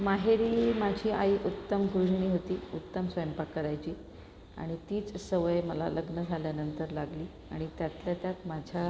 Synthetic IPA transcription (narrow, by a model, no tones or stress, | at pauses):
maɦeɾiːmad͡ʑʱiːa̰iʔut̪ːəmɡɾuʂɳiːɦot̪iːut̪ːəmsʋəjəmpakəɾajt͡ɕiː | a̰ɽ̃it̪iːt͡ssəʋəjməla̰ləɡnəd͡zʱaljanənt̪əɾlaɡliː | a̰ɽ̃it̪jat̪ljat̪jat̪mad͡ʑʱa